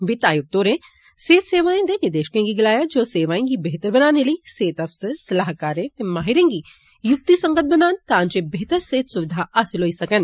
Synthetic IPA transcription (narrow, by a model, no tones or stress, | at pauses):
ʋɪt̪aːjʊk̚t̪oːɾẽ | seːt̪seːʋaːẽd̪enɪɾd̪eːʃkẽɡiɡɪlaːjad͡ʒoːseːʋaːẽɡibeɦt̪əɾbɐnaːneləiseːt̪ɐfsəɾsɐlaːɦkaːɾẽt̪emaːɦɪɾẽɡi | jʊk̚t̪isɐ̃ŋɡət̪̚bɐnaːnt̪ãːɲd͡ʒebeɦt̪əɾseːt̪sʊʋɪd̪ʱaʔaːsɪlɦoːisɐkən